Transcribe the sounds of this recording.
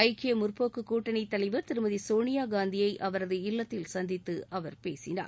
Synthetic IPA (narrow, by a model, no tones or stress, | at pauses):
ɐɪkːɪjɐmʊrpoːkɯkuːʈːɐnit̪ːɐlɐɪʋɐɾt̪ɪɾɯmɐðisoːɳɪjaːɡaːnd̪ɪjɐɪʔɐʋɐɾɐðɯɪlːɐt̪ːɪlsɐnd̪ɪt̪ːɯʔɐʋɐɾpeːsɪna̰ːɾ